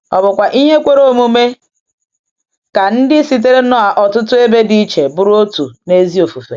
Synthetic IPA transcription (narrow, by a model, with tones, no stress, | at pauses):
ɔ˨bʊ˨kʷa˨ʔi˦ɦe˦kʷe˦ɾo˦˨mu˦me˦ | ka˨n̩˦dɪ˦si˦t̬e˦ɾe˦nɔ˦a˨ʔɔ˨tʊ˦tʊ˦e˦be˦di˦i˦t͡ʃe˨bʊ˦ɾʊ˦o˦tu˨ne˦zi˦o˨fu˨fḛ˨